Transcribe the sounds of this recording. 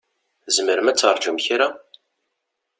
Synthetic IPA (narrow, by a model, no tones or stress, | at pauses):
zməɾəmæt͡sːəɾˤd͡ʒumçɾa